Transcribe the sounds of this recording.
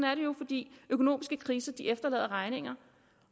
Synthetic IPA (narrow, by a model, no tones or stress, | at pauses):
næɐɾejo̝fɒ̽d̥ḭːøkʰo̝no̝̰ːmisɡ̥əkʰʁiːsɐd̥iʔefd̥ɐlɛ̰ːðˠɐʁɑ̈ɪne̝ŋ̰ɐ